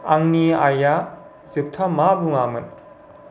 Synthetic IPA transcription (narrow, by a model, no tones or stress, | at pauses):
aŋniaja | zip̚tʰɐmabuŋamɯn